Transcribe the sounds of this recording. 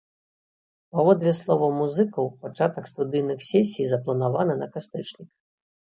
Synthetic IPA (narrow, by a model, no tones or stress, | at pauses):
pavɔd̪lʲɛslˠɔvɐmuzɨkɐwpat͡ʂat̪ɐkst̪ud̪ɨjnɨxsʲɛsʲijzɐplˠɐnavanɐnɐkast̪ɛt͡ʂnʲik